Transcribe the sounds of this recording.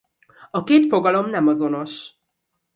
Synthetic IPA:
ɒkeːt̪fo̞ɡɒlo̞mnɛmɒzo̞no̞ʃ

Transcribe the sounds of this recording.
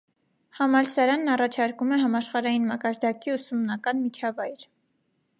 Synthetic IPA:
hɑmɑlsɑɾɑnːɑrɑt͡ʃʰɑɾkumɛɦɑmɑʃχɑɾɑjinmɑkɑɾd̪ɑkiusumnɑkɑnmit͡ʃʰɑvɑjɾ

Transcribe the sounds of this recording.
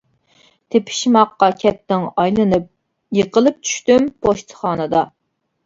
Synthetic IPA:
t̪ʰepʰɪ̥ʃmɑqːɑkʲʰɛt̪ːɪŋɑjlˠɨnɨp̚ | jeqəlˠɨp̚t͡ʃʰy̥ʃt̪ympʰoʃt̪ʰə̥χɑːnɨd̪ɑ

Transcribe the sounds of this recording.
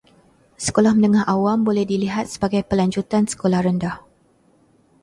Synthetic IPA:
sə̥kolahmə̃nə̃ŋahʔawambolɛhdiliɦat̪̚səbaɡajpəlaɲd͡ʒut̪ansə̥kolahrəndah

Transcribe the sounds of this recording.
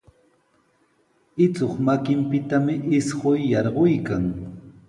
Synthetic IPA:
ɪt͡soχmakɪmpɪt̪amɪʔɪsɢojːɑɾɢojkaŋ

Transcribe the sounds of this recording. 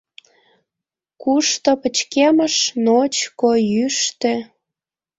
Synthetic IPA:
kuʃt̪opət͡ɕkeməʃnot͡ɕkojyʃt̪ĕ

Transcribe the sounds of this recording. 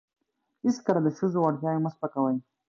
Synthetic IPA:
hɪskəɾad̪əʃuzowaɽtjɑjoməspakawaj

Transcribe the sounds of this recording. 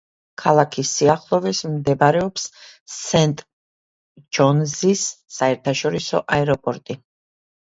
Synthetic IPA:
kʰalˠakʰisːiaχlˠɔvɛsmd̪ɛbaɾɛɔpsːɛnt̪ʼ | d͡ʒɔnzisːaɛɾt̪ʰaʃɔɾisɔʔaɛɾɔpʼɔɾt̪ʼi

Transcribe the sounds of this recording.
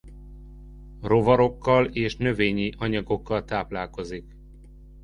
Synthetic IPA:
ro̞vɒɾo̞kːɒleːʃnø̞veːɲiʔɒɲɒɡo̞kːɒlt̪aːplaːlko̞zik

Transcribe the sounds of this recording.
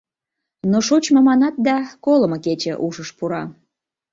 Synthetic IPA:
noʃot͡ɕməmɑnɑt̪̚d̪ɑkolə̆mɤket͡ɕḛ̆ʔuʃəʃpuɾɑ

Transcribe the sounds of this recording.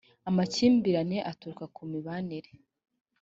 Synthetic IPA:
amaciːmbiɾane̞ʔatuɾkakʰumiβaniɾe

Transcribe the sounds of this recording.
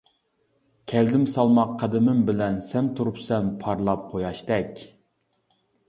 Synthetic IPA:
kʲʰɛld̪ɪmsɑlˠmɑqʰːɑd̪ɪmɪmbɪlɛnsɛmt̪ʰuɾupsɛmpʰɑɾlˠɑp̚qʰojɑʃt̪ɛkʲ

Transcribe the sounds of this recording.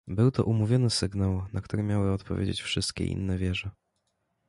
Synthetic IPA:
bɘwt̪ɔ̰ʔumuvʲjɔnɘsɘɡnawnʔakt̪uɾɘmʲjawɘɔt̪pɔvʲjḛd͡ʑḛt͡ɕfʂɘst̪kʲɛ̰ʔḭnːɛvʲjɛʐɛ

